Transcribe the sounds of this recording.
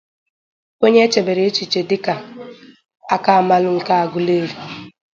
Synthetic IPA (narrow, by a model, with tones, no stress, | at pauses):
o˦ɲe˦t͡ʃe˨be˨ɾe˨e˦t͡ʃi˨t͡ʃe˨dɪ˦ka˨ | a˦ka˦a˨ma˦lʊ˦ŋ̩˨ka˦a˨ɡʊ˨le˦ɾi˨